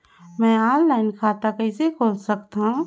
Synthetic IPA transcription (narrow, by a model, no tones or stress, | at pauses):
mɛ̃ːaːnlaːɪnkʰaːt̪akɛɪsekʰoːlsɐkt̪aɦũ